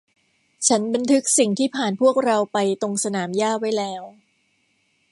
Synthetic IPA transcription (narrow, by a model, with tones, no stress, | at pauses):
t͡ɕʰa˦˥nba˧nt̪ʰɯ˦˥k̚si˨˩ŋt̪ʰiː˥˩pʰaː˨˩npʰu˥˩ək̚ɾa˧wpa˧jt̪o˧ŋsa˧naː˩˦mjaː˥˩t̚wa˦˥˩jlɛː˦˥w